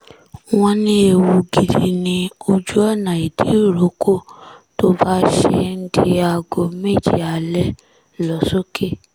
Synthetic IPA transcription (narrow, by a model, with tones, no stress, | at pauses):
w̃ɔ̃˧nĩ˧˦e˨wu˧ɡi˨di˨nĩ˧o˧d͡ʒu˦ɔ˦˨nã˨i˨di˨˦˨ɾo˨˦ko˦˨to˦ba˦ʃḛ˧n̩˦di˧a˧ɡo˧me˦˨d͡ʒḭ˦˨a˨lɛ˦ | lɔ˨˦so˦ke˦˨